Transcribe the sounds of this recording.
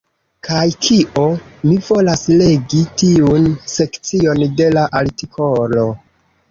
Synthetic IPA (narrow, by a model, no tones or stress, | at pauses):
kʰajkʰiʔo̞mivo̞lasle̞ɡitiunse̞kt͡sio̞nde̞laʔaltikʰo̞lo̞